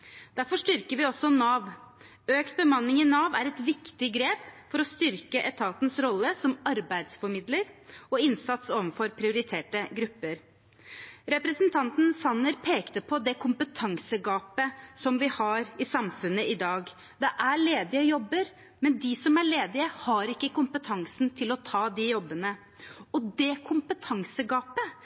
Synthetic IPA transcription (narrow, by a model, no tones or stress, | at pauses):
d̪̥æɾfɔʂʈ̪ʏɾkəɾʋɪɔsːɔnɑːʋ | øːkt̪̚bəmɑnːɪŋɪnɑːʋæɾɛt̪ʋɪkt̪ɪɡɾeːpfɔɾɔst̪ʏɾkəʔɛt̪ʰɑːt̪nsɾɔlːəsɔmɑɾbæɪd̪sfɔɾmɪd̪ləɾɔɪnsɑt̪soːʋənfɔɾpʰɾɪʊɾɪt̪ʰeːʈəɡɾʉpːəɾ | ɾɛpɾɛsənt̪ʰɑnt̪n̩sɑnːəɾpʰeːkt̪əpʰɔd̪ɛkʰʊmpət̪ʰɑŋsəɡɑːpəsɔmʋɪhɑɾɪsɑmfʉnːəʔɪd̪ɑːɡ | d̪ɛʔæɭeːd̪ɪəjɔbːəɾ | mɛnd̪ɪsɔmæɭeːd̪ɪəhɑɾɪkːəkʊmpət̪ʰɑŋsnt̪ʰɪlɔt̪ʰɑːd̪ɪjɔbːənə | ɔd̪ɛkʰʊmpət̪ʰɑŋsəɡɑːpə